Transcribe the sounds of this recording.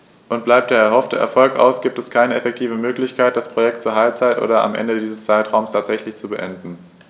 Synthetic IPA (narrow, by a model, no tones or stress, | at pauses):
ʔʊnt̚b̥laɪp̚d̥eːɐɛɐɦɔftʰəʔɛɐfɔlkʔa̰ʊsɡ̥iːp̚tɛskʰaɪnəɛfɛk̚tʰiːvəmøːklɪçkʰaɪt̚d̥aspʁ̥ojɛk̚tt͡suːɐɦalp̚t͡saɪtʔo̰ːdɐa̰mʔɛ̰ndədiːzəst͡saɪtʁ̥aʊmstʰaːtz̥ɛçlɪçt͡subəʔɛndn̩